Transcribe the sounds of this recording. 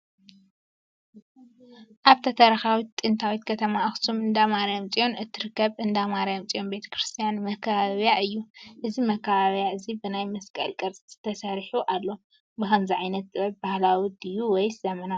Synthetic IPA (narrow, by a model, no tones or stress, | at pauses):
ʔaβt̪ʰɐt̪ʰɐɾɐxawit̪ʼːɨnt̪ʰawit̪kʰɐt̪ʰɐmaɐxsʰumɨnd̪amaɾjamt͡sʼijo̞nɨt̪ʰːɨɾɨkːɐβɨnd̪amaɾajamt͡sʼijo̞nbe̞t̪ʰɐ̥kɾɨst̪ʰijanmɐkʰːɐβaβjaʔɨjːuʔɨzimɐkʰːaβaβjaɨzibɨnajmɐskʼɐ̰lkʼɐɾt͡sʼiz̥ɨt̪ʰɐsɐɾħuʔalːo̞ | bɨxɐmziʕajnɐt̪̚ːɐbahlawid̪ɨjuwɔjz̥ɐmɐna